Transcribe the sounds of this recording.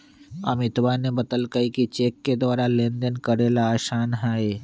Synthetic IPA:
ɐ̰mɪt̪ʋanebɐt̪əlkəikit͡ʃeːkːed̪aːɾalẽːnd̪ənkəɾeːlaːʃaːnɦaːeː

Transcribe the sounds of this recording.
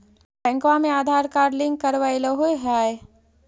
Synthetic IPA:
bɛ̃ŋkʋamẽaːd̪ʱaːɾkaːɾlɪ̃ŋɡ̚kəɾʋaeləɦoeɦaːe

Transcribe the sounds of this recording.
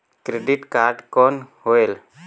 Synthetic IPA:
kɾeɖiʈkaɾɖkɔnɦoel

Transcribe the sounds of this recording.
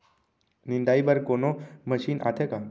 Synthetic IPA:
nind̪aibəɾkonoməɕiːnʔa̰t̪ʰeka

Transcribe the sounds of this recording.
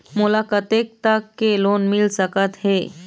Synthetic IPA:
mulakət̪ek̚t̪əkːelonmilsəkət̪ɦe

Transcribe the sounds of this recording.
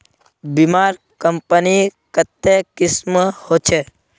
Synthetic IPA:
bimaːɾ | kəmpənikət̪ːekɪsməhoːt͡ʃʰe

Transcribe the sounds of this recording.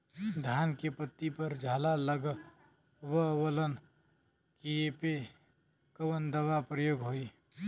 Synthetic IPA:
d̪ʱjaːnkepət̪ːipəɾd͡ʒʱaːlaləɡ | wəwələn | kiepe | kəʋənd̪əʋapɾəjoːɡɦoːi

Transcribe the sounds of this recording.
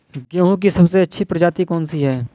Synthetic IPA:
ɡeːɦõk̬isɐbseɐtːʃʰipɾɐd͡ʒaːt̪ikɔːnsiɦɛː

